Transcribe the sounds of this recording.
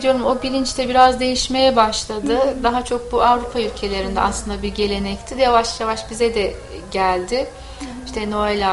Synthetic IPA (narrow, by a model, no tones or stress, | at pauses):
d̪ijo̞ɾumo̞bilʲint͡ʃt̪ʰɛbiɾazd̪e̞jiʃme̞jɛbaʃlˠad̪ɯd̪aɦat͡ʃʰo̞k̚buʔavɾupʰaylʲcʰe̞lʲe̞ɾind̪ɛ̰aslˠɯnd̪abiɾɟe̞lʲe̞nɛct̪ʰijavaʃjavaʃbizɛd̪ɛ | ɟælʲd̪ɪ | iʃt̪ʰɛno̞elʲa